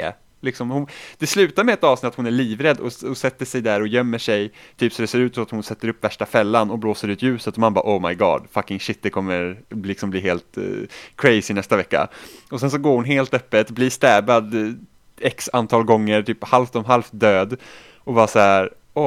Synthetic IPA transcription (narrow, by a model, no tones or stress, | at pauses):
lɪksɔmhʊnd̪̥ɛslʉ̟ːt̪aɾmɛɛt̪ɑːvsnɪt̪at̪hʊnæɭiːvɾɛd̪ːɔɔsɛt̪ːəʂɛjd̪æɾɔjœmːəʂɛjt̪ʰyːpsɔd̪ɛseːɾʉ̟t̪sɔat̪hʊnsɛt̪ːəɾɵpːvæʂʈafɛlːanɔbloːsəɾʉ̟ːt̪jʉ̟ːsət̪ɔmanbɑ̰ːʔoɔːmaɪɡɑ̰ːd̪fakɪŋʃɪt̪̚d̪ɛkʰɔmːəɾblɪksɔmbliːɦeːlt̪kʰɾɛɪsɪnɛst̪avɛkːa̰ɔsɛnsɔɡoːɾhʊnɦeːlt̪œpːət̪bliːst̪æːbad̪ | ɛksant̪ʰɑːlɡɔŋːəɾʈ̪ʰyːphalft̪ɔmɦalft̪̚d̪øːd̪ | ɔbɑːsahæɾ | ɔ